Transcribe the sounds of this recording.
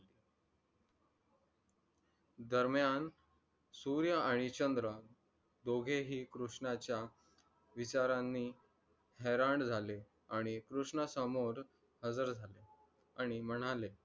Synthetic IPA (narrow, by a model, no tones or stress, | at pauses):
d̪əɾmjan | suɾjəaɽ̃it͡ɕənd̪ɾə | d̪oɡʱeɦiːkɾuʂɳat͡ɕja | ʋit͡ɕaɾanːiː | hɛɾaɳd͡zʱale | aɽ̃ikɾuʂɳəsəmoɾ | həd͡zəɾd͡zʱale | aɽ̃iməɽ̃ale